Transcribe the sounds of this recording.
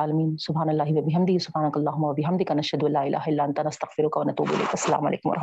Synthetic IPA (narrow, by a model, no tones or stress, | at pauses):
aːlɐmiːnsʊbɦaːnɐlːaːɦiʋɐbɪɦɐmd̪ɪɦisʊbhaːnɐkɐlːaːɦʊmːɐʋɐbɪɦɐmd̪ɪkanɐʃhɐd̪ʊɐlːaːɪlʔa̰ːɦɪlːaːʔɐnt̪aːnɐst̪ɐɣfɪɾʊkaʋɐnɐt̪ṵːbʔɪ̰lḛːkɐsːɐla̰ːmɐlʔḛːkʊmɐɾɐħ